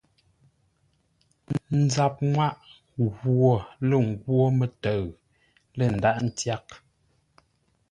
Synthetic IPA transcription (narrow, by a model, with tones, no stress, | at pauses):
n̩˦d͡za˨p̚ŋwa˦ʔ | ɣwo˨lə˨ŋ˦ɡwo˦mə˨tə˨ɰ | lə˨n̩˨da˦ʔn̩˦tja˦k̚